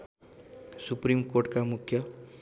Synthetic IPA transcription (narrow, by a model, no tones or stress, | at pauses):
supɾimkoɾʈkamukʰjə